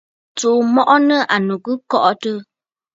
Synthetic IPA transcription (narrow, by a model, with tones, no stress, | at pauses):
t͡suː˨mɔ˦ʔɔ˦nə˦ʔa˨nu˨kə˦kɔ˦ʔɔ˦tə˦